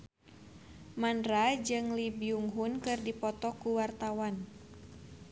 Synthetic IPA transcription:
mandrad͡ʒɨŋlibiuŋɦunkɨrdipɔt̪ɔkuwart̪awan

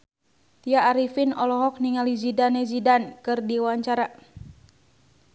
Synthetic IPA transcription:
t̪iaːɾifinɔlɔɦɔk̚niŋalizidanɛzidankɨrdiwaɲt͡ʃaɾa

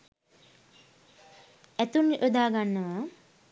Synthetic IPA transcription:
æt̪unʔod̪aːɡanːəʋə

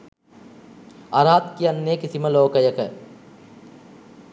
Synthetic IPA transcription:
ɐɾaːt̪kiɐnːekɪsimɐloːkɐjɐkə

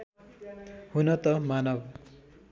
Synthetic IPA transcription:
hunʌt̪ʌmanʌb

